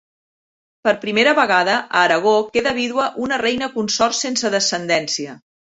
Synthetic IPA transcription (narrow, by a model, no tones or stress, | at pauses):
pəɾpɾimeɾəβəɣaðəʔəːɾəɣ̞okeðəβ̞iðwəʔunərɛjnəkunsɔrsensəðəsənd̪ɛnsiə